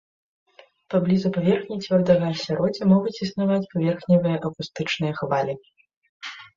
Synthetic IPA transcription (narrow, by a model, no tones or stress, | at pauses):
pablʲizupavʲɛrxnʲit͡sʲvʲɔrd̪ɐɣɐːsʲaɾɔd͡zʲɐmɔɣut͡sʲisnavat͡sʲpavʲɛrxnʲɐvɨjɐʔɐkust̪ɨt͡ʂnɨjɐxvalʲi